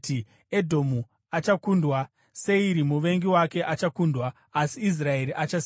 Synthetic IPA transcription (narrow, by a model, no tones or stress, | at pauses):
i | edʱo̞mu | at͡ʃakundwa | se̞iɾimuʋe̞ŋɡiwake̞ʔat͡ʃakundwaː | siːs̬rae̞ɾiʔat͡ʃas